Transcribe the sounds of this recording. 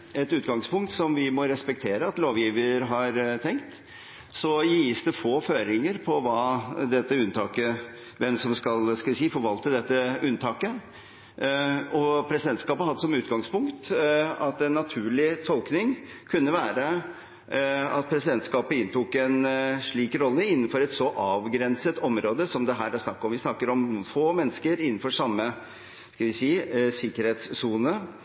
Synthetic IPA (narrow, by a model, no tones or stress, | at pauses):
ɛt̪ʉːt̪ɡɑŋspʰʊŋkt̪sɔmʋɪmɔɾɛspɛk̚t̪ʰeːɾəɑt̪loːʋjiːʋəɾɦɑɾt̪ʰɛŋkt̪ | sɔjisd̪ɛfoːføːɾɪŋəɾpʰɔʋɑːd̪ɛt̪ːəʉnːt̪ʰɑːkə | ʋɛmsɔmskɑlskɑʋsiːfɔɾʋɑlt̪əd̪ɛt̪ːəʔʉnːt̪ʰɑːkə | ɔpʰɾɛsɪd̪ɛnt̪skɑːpəhɑd̪ːəsɔmʉːt̪ɡɑŋspʊŋkt̪ɑt̪ːɛnːɑt̪ʰʉːɭɪt̪ʰɔlknɪŋ | kʰʉnːəʋæːɾə | ɑt̪̚pʰɾɛsɪd̪ɛnt̪skɑːpəɪnt̪ʰukɛnʂɭiːkɾɔlːəɪnːn̩fɔɾɛt̪sɔʔɑːʋɡɾɛnsət̪ɔmɾoːd̪əsɔmd̪ɛɦæːɾæʂnɑkːɔmʋɪsnɑkːəɾɔmfoːmɛnːəskəɾɪnːn̩fɔʂɑmːə | skɑlʋɪsiːsɪkːəɾheːt̪ssuːnə